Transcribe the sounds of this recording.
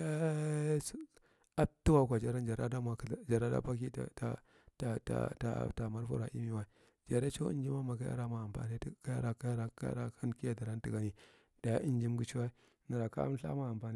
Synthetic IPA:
e˦s | a˦tu˦wa˦˨kʷa˨d͡ʒa˨ɾa˦nd͡ʒa˨ɾa˦da˦ma˨kd͡ʒa˨ɾa˦da̰˦pa˦kḭ˦˨ta̰˨ | ta˨ta̰˨ta̰˨ta˨ma˦ɾfṵ˦ɾa̰˨ʔḭ˦mi˦wa˦ | d͡ʒa˨ɾe˦t͡ʃo˦ḭ˦nd͡ʒi˦ma˦ma˨ka˦ja̰˦ɾa˦ma˨a˨pa̰˨ni˦ka˦ja̰˦ɾa˨ka˦ja˦ɾa˨ka̰˦ɾa˦kʰa˦nki˦ja˦da˨ɾa˦n˦ti˨ɡa˦ni˨ | d̥a˨ja˦ʔi˦nd͡ʒi˦mɡu˦t͡ʃi˦wa˦i˦ | na˨ɾa˨ka̰˦a̰˦m˦ɬa̰˦ma˦˨a˨mpa˨ni˦

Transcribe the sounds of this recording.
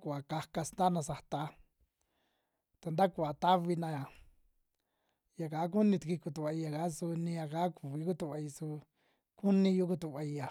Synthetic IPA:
ku˧˨a˨ka˧ka˧snd̪a˦nã˧sa˧t̪a˧ | t̪a˧nd̪a˦ku˨a˨t̪a˦βi˧nã˧a˨ | ja˨kaː˨˦k̬u˦nĩ˧t̪i˧ki˧ku˧t̪u˧˨a˧i˧ja˨ka˦su˧nĩ˧ja˧ka˦ku˨βi˧˦k̬u˦t̪u˧˨a˧i˧su˧ | ku˦nĩ˧ju˦ku˧t̪u˧˨βa˧i˧ja˨

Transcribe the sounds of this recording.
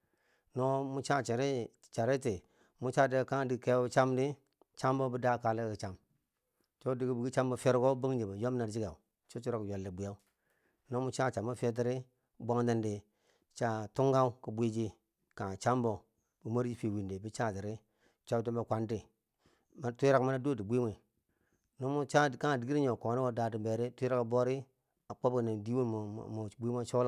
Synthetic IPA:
no˦mu˦t͡ʃa˦t͡ʃi˨ɾi˦˨ | t͡ʃa˨ɾi˦ti˨ | mu˦t͡ʃa˦di˦˨ka˦ŋ˦di˨ke˦u˦t͡ʃa˦mdi˦ | t͡ʃa˦mbo˦bu˦da˦ka˨li˦ki˨t͡ʃa˨m | t͡ʃo˦di˨ɡi˦bu˨ɡi˦t͡ʃa˦mbo˨fe˦ɾɡo˦bu˦ŋd͡ʒi˨ba˨jo˦m˦na˨ɾd͡ʒi˦ɡa˨u˨ | t͡ʃo˦t͡ʃu˦ɾo˦kjo˨lːi˨bu˨ja˦u˦ | no˦mu˦t͡ʃa˦˨t͡ʃa˨mo˦fe˦t̬i˦ɾi˦ | bʷa˦ŋdi˦ndi˨ | t͡ʃa˦˨tu˦ŋɡa˦u˦ki˨bʷi˦d͡ʒi˦ | ka˨t͡ʃa˦m˦bo˨ | bu˨ma˦ɾd͡ʒi˦fi˨wi˨nde˨bi˦t͡ʃa˦˨ti˨ɾi˦ | t͡ʃa˦ti˦mba˦˨kʷa˨˦nti˨ | ma˦tu˦ɾa˦kma˦na˦do˦˨ti˨bʷi˦me˨ | no˦mu˦t͡ʃa˦˨ka˦˨di˨ɡi˦ɾi˦ɲo˨ko˨ni˦wo˦da˨ti˨be˨ɾi˦tu˦ɾa˦ka˨bo˦ɾi˦ | a˨k͡po˦bki˨na˨di˦wḛ˦˨m˨bʷi˦ma˦t͡ʃo˦la˦

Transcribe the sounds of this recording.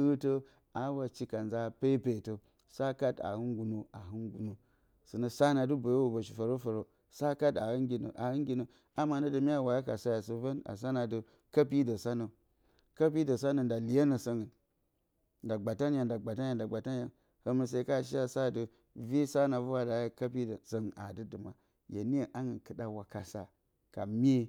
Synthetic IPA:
ɨ˦to˦ | a˨˦wa˨t͡ʃi˦ka˨nza˦˨pe˦pe˨to˨ | sa˦ka˦ta̰˨hɨ˦nɡu˨no˨a˨ɦɨ˦nɡu˨no˨ | sɨ˨nə˨sa˦na˨du˦bo˨jo˦wo˨bo˨ʃi˨fa˨ɾo˦fə˨ɾo˨ | sa˦ka˦ta˨hɨ˦nɡʲi˨nə̰˨ʔa˨hɨ˦ŋɡʲi˨nə˨ | a˦ma˨nə˦də˨mi˦a˦wa˨ja˦ka˨sa˦ja˨su˨və˦na̰˨s̬a˦na˨də˦ | ka˦pi˦də˨sa˦nə˨ | ka˦p̬i˦də˨sa˦nə˨nda˨li˨ja˦nə˨sə˨ŋə˨ | nda˨ɡ͡ba˨ta˦nja˨nda˨ɡ͡ba˨ta˦n˦a˨nda˨ɡ͡ba˨ta˦n˦ja˨ | hə˦mə˨se˨i˦ka˦˨ʃ̬i˦a˦sa˦də˨ | vi˦sa˦na˨vu˦wa˦da˨jka˦pi˦də˨sə˨ŋ˨ʔa̰˨dɨ˦dɨ˨ma̰˨ | jḛ˨ni˦e˨ʔa˦ŋɨ˨kɨ˨da˨wa˨ka˨sa̰˨ | ka̰˨mʲe˦

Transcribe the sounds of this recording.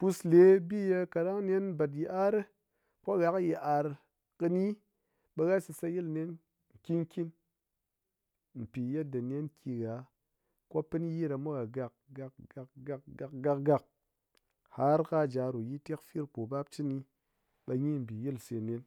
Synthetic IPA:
pu˧sle˨˦bi˦je˧ka˨ɾa˦ŋ˦nʲe˦n˦ba˨t̬ji˨ʔa˦ɾɨ˦ | kʷo˦ɣa˦kji˨ʔa˨ɾ | kɨ˧ni˦ | ɓɐ˧ɣa˦sɨ˧sa˧ji˦lne˦n | ŋ̩˨kʲi˦n˦kʲi˦n | m̩˨pi˨je˦t̚dɨ˨nʲe˦nkʰʲi˧ɣa˨ | ko˦pɨ˦n˦ji˦ɾa˨mu˦ɣa˨ɡa˨k̚ɡa˧kɡa˧kɡa˧kɡa˧kɡa˧k̚ɡa˧k̚ | ha˦ɾka˦d͡ʒa˨ɾu˨ji˦te˦kfi˦ɾk͡po˨ba˦p̚t͡ʃi˦ni˧ | ɓa˧ɲi˦m̩˨bi˨ji˦lse˧ne˦n

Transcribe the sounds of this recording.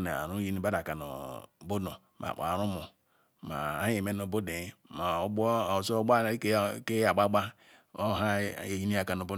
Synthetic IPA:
nḛ˨a̰˨ɾu˦ji˦ni˦ba˦da˨ka˨no̰˨bo˦do˨ | mʔa̰˨k͡pa̰˨ɾu˦mu˨ | ma̰˨a˦e˨me˦no˨bo˦de˨˦ma˨u˦ɡ͡bo˦˨sɡ͡ba˦ke˦a˨ɡ͡ba˦ɡ͡ba˦ | o˦ɦa˦e˨ji˦ni˦a˨ka˨no˨bo˦

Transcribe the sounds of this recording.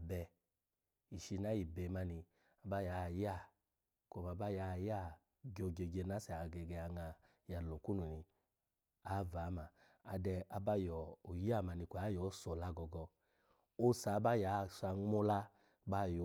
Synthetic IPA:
bɛ˧ | i˨ʃi˧na˨˦ji˨bɛ˨˦ma˧˦ni˧ | a˧ba˦ja˨˦˨ja˦˨ | kʷɔ˧˨m˨a˧˦ba˦ja˨˦˨ja˦˨ | ɡo˧ɡe˧ɡe˧˨na˦sɛ˨a˨ɡɛ˧˨ɡɛ˧a˧ŋa˧ | ja˨lo˨ku˦nu˨ni˧ | a˨˦˨va˨˦ma˧ | a˧dɛ˧a˧ba˦jɔ˨o˨ja˦˨ma˨˧ni˧kʷɔ˨a˨˦jɔ˨˦sɔ˨la˧˦ɡɔ˧ɡɔ˧ | o˦sa˨˦ba˦ja˨˦˨sa˧ŋ˦o˦la˦ | ba˦˨jɔ˨˦

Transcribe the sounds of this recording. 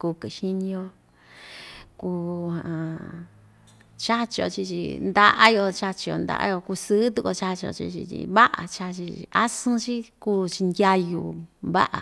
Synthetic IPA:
ku˧kɨ˨ʃi˦ɲĩ˧o˧ | ku˧hã˨˧ | t͡ʃa˦t͡ʃi˧o̰˧t͡ʃi˧t͡ʃḭ˧nd̪a˧ʔa˦jo˧t͡ʃa˧t͡ʃi˧jo̰˧nd̪a̰˧ʔa̰˧˦jo˧ku˧sɨ˦t̪u˧˦ko˧t͡ʃa˦t͡ʃi˧o̰˧t͡ʃḭ˧t͡ʃḭ˧t͡ʃḭ˧βa˦ʔa̰˨t͡ʃa˧t͡ʃi˧a˦sɨ̃˦t͡ʃi˦kuː˦˧t͡ʃi˧nd̪ʲa˧ju˧mβa̰˦ʔa̰˨

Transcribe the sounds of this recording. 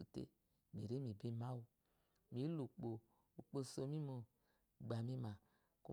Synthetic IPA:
u˨tḛ˦ | mi˨ɾe˦mi˨be˦ma˦wu˧ | mi˨˦lu˨k͡po˨ | u˨k͡po˧˨so˧mi˦mo˨ | ɡ͡ba˨mi˦ma˨ | ku˦

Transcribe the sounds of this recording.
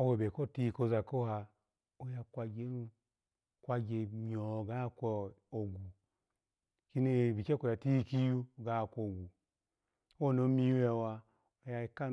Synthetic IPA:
o˦˧we˨be˨ko˦˨ti˦˧˨ko˧za˨ko˦ha˧ | o˧ja˧kʷa˧d͡ʒe˨˦nu˦˧ | kʷa˧d͡ʒe˧mi˨ɔ˨ɡa˦˨kʷɔ˧o˨ɡu˨ | ki˦ne˨bi˨t͡ʃe˦ko˨ja˨ti˦˧ki˦ju˦˨ɡa˨˦˨kʷo˧˨ɡu˨ | o˦o˦˨no˨˦mi˦e˨wa˧ | o˨ja˧i˧ka˦

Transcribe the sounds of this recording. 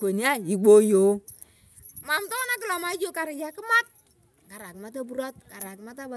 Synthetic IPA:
ko˨ni˦a˦i˨ɡ͡bo˦jo˨˦ | ma˨mtɔ˦na˦kɪ˨la˨ma˦d͡ʒo˦ka˨ɾɪ˨d͡ʒa˨kɪ˦ma˦t̚ | ka˨ɾa˨kɪ˨ma˦ta˦bu˦ɾa˦t̚ka˨ɾa˨kɪ˨ma˦ta˦ba˨

